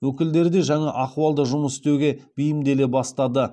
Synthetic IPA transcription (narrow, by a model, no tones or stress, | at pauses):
wɵkʲɪld̪e̞ɾd̪e̞ʒɑŋɑʔɑquwɑlˠd̪əʒʊməsɪ̥st̪ewɡʲe̞b̥ijɪmd̪e̞le̞bɑst̪ɑd̪ə